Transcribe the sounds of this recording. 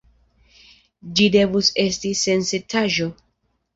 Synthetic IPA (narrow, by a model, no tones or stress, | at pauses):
d͡ʒide̞vusestisensetʰaʒo